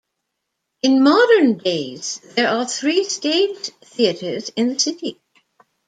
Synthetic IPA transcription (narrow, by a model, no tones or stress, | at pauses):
ɨ̃nmɑɾə˞ndeɪz̥ðə˞ʔəθɹiːsteɪ̥d͡ʒθiɨɾə˞zɪ̃nðɨsɪɾi